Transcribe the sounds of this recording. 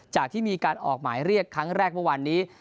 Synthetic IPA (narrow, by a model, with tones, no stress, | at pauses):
t͡ɕaː˨˩k̚t̪ʰiː˥˩miː˧kaː˧nʔɔ̰ː˨˩k̚maː˩˦jɾi˥˩əkʰːa˦˥ŋɾɛː˥˩k̚mɯ˥˩wa˧nːiː˦˥